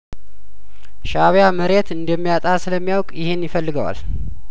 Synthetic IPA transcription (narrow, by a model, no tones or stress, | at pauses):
ʃaβjaməɾe̞t̪ɨnd̪əmːijat̪ʼasɨləmːijawkʼjɪhɪnjɪfəlːɨɡəwa̰l